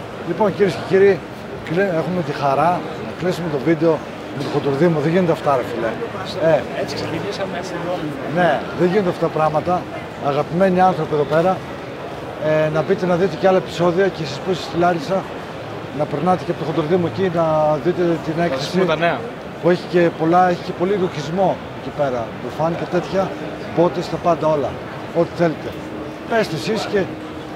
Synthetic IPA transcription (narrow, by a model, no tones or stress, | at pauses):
lipo̞nciɾiesceciɾiː | kliexume̞t̪ixɐɾɐ | nɐklisume̞t̪o̞vid̪eo̞ | met̪oxod̪uɾðimuðeʝinet̪ɐft̪ɐɾefileeseiis | ne̞ðeʝinet̪eɐft̪ɐt̪pɾɐɣmɐt̪ɐː | ɣɐpime̞niɐnθɾo̞pieðo̞pe̞ɾɐ | nɐbit̪e̞nɐðit̪e̞ceɐloe̞pi̥so̞ðiocesispusisθilɐɾisɐ | nɐpeɾnɐt̪eceɐpo̞t̪ood̪ɾoðimuecinɐðit̪et̪ine̞kθessit̪ɐneɐ | pue̞çi̥ce̞po̞lɐe̞çice̞po̞liɣoçizmo̞ | ecipe̞ɾɐt̪ufɐnit̪et̪e̞t̪çɐ | bo̞t̪est̪ɐpɐnd̪ɐo̞lɐ | o̞t̪i̥θe̞let̪e̞ | pest̪esisce